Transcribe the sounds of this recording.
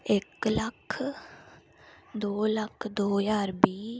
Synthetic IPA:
ɪkləkʰ | d̪oːləkʰd̪oːjaːɾbiː

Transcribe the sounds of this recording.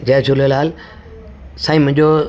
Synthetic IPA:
d͡ʑeːt͡ɕʰulelaːl | sãːĩmʊ̃ɦɪ̃ɲd͡ʑo

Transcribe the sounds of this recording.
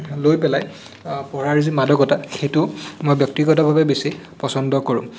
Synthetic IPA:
lojpɛlaj | pɔɹaɹizimadɔkɔtaxejtʊmojbjɔktiɡɔtabʱabɛbesi | pɔsɔndɔkoɹʊ̃

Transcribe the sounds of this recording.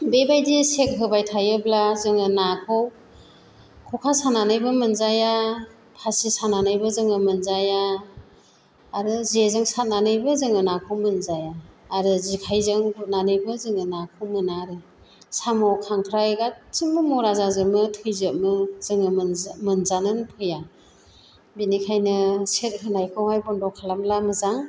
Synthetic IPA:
bebajdisekɦɯbajtʰajɯblazɯŋɯnakʰɔw | kʰowkʰasananɯjbɯmɯnzaja | pʰasisananajbɯzɯŋɯmɯnzaja | ɾɯzezɯŋsat̚nanɯjbɯzɯŋɯnakʰowmɯnzajaːɾɯzikʰajzɯŋbut̚nanɯjbɯzɯŋɯnakʰuwmɯnaɾɯ | samɔkʰaŋkʰɾaɡat̚sɯmɯmuɾazazɯmɯtʰɯjzɯt̚mɯzɯŋɯmmɯnzanɯnpʰɯja | binikʰajnɯset̚hɯnajkʰɯwhajbɔndɔkʰalamlamɯzaŋ

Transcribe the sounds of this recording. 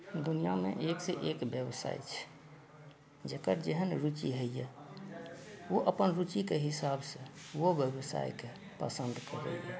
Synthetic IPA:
d̪unijamḛʔekseʔekbjəbsa̰jt͡ʃʰɛ̥ | d͡ʒekəɾd͡ʒeɦənɾut͡ʃiɦəje | oʔəpənɾut͡ʃikeɦisabsẽobjəbsa̰jke | pəsənd̪ʱkəɾɛ̰jɛ̰

